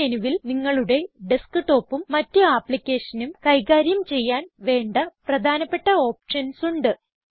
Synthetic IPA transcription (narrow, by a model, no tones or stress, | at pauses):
enuʋilniŋːɐɭuɽe̞ɖiskɨʈo̞ːpːumːɐtːuaːpːɭikʲːe̞ːʂɐnumkɐjɣaːɾjɐmt͡ɕe̞jːaːnʋe̞ːɳɖɐprɐd̪ʱaːnɐpːe̞ʈːɐo̞ːpʂɐnsuɳɖɨ